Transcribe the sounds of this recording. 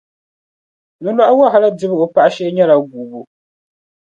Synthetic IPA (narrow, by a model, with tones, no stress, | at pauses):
nu˦la˦ʔa˦wa˦ɦa˨la˦dɪ˦bɨ˦o˨pa˦ʔa˦ʃɛ˦ɲɛ˦la˨ɡuː˨bu˨